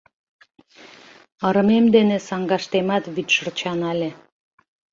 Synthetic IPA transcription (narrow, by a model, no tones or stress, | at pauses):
ɑɾɤ̆memd̪enĕsɑŋɡɑʃt̪emɑt̪βyt̪ʃərt͡ɕɑnɑlʲe